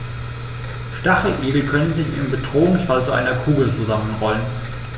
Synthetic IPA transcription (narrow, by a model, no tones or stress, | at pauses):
ʃtaχəʔeːbl̩kʰœnənzɪç̰ɪ̰mbədʁoːʊŋsfalt͡suʔa̰ɪnɐkʰuːɡl̩t͡suzamənʁɔlən